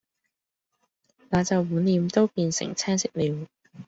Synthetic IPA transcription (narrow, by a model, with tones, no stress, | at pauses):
naː˨˧t͡sɐ˨wːuː˨˥nliː˨˧mt̪o˥wpiː˧nsɪ̰˨˩ŋt͡sʰɛː˥nsɪ˥k̚liː˨˧w